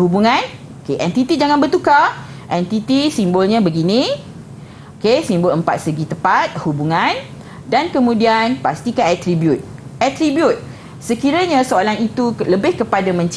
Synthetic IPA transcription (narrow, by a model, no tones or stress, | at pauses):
hubuŋãn | okeʔɛnt̪it̪id͡ʒaŋãnbərt̪uka | ʔɛnt̪it̪isimbolɲabəɡinĩ | okesimboləmpat̪̚səɡit̪əpat̪̚hubuŋãn | dankəmũdianpast̪ikaɛt̪ɾibjut̪̚ʔɛt̪ɾibjut̪̚ | səkiɾaɲasoalanit̪uləbɪhkəpadamə̃ɲt͡ʃ